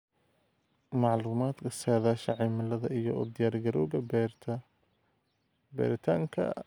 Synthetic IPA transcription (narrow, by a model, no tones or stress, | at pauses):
mɑʕluːmaːd̪kʰɐsaːðaːʃɐʕɛmɪlɐðɐijɔɔ̰ːd̪ɪjaːrɡɐɾɔːɣɐbɛt̪ʰ | bɛ̰ːɾɪt̪ʰa̰ːŋkʰɐ̰